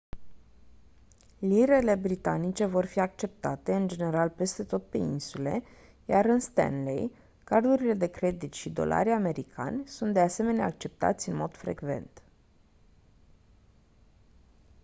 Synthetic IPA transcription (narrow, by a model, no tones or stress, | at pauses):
liɾe̞le̞bɾit̪anit͡ʃe̞vo̞rfiak̚t͡ʃe̞p̚t̪at̪e̞ɨnd͡ʒe̞ne̞ɾalpe̞st̪e̞t̪o̞t̪̚pe̞̰insule̞̰ | jaɾɨnst̪a̰nlḛj | kard̪uɾile̞d̪e̞kɾe̞d̪it̪ʃid̪o̞̰lʔa̰ɾʲame̞ɾikʰa̰nʲsunt̪̚d̪ease̞me̞neak̚t͡ʃe̞p̚t̪a̰t̪sʲɨnmo̞d̪̥fɾe̞̰ɡve̞̰nt̪